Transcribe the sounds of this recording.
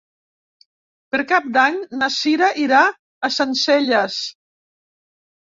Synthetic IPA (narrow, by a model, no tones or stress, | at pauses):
pəɾkap̚d̪aɲnasiɾaʔiɾaː | sənseʎəs